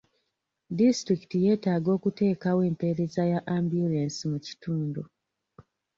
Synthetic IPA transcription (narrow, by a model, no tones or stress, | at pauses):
distɾiki̥tije̞ːtaːɡo̞ːkute̞ːkawe̞ːmpe̞ɾe̞zajaʔaːmbjulensimuci̥tuːndu